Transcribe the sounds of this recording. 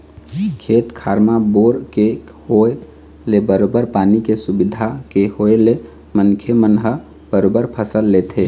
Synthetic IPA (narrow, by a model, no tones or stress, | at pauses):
kʰet̪kʰaɾmaboɾke | hoe | lebəɾobəɾpanikesubid̪ʱakehoele | mənkʰemənɦə | bəɾobəɾpʰəsəlːet̪ʰe